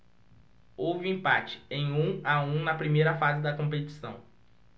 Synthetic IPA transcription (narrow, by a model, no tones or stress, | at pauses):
owvɪĩpat͡ʃɪ̥ẽj̃ũaũnɐpɾimejɾɐfazɪd̪ɐkõpet͡ʃi̥sɐ̰̃w̃